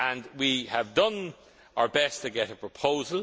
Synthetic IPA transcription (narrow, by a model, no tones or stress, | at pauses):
ə̃nwiəvdʌ̃n | əə˞bɛstʰɨɡɛɾəpʰɹ̥əpʰoʊzəl